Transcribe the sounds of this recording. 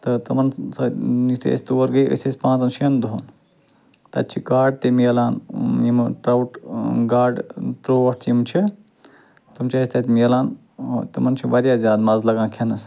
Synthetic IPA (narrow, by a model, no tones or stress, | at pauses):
t̪ɨt̪ɐmɐnsɐit̪ʰḛsʲt̪uʋɐɾɡɐjʔə̰sespãːt͡sɐnt͡ʃʰiɐnd̪uɦon | t̪ɐ̰t̪̚t͡ʃʰiɡaːɖ̚t̪emiɐlaːnjimʈɾɐwʈɡaːɖt̪ɾoːɐʈ̚ʰt͡ʃimt͡ʃʰi | t̪ɨmt͡ʃʰast̪ɐt̪mijɐlaːn | t̪ɐmɐnt͡ʃʰiʋɐɾjaːzʲaːd̪mɐzlɐɡãːkʰenɐs